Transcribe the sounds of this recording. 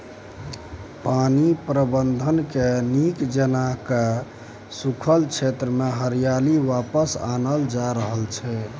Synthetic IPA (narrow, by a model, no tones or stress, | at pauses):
panipɾəbənd̪ʱənkenikd͡ʒənake | sukʰəlt͡ʃʰet̪ɾəmeɦəɾijaliwapəsa̰nəld͡ʒaɾəɦəlt͡ʃʰɛ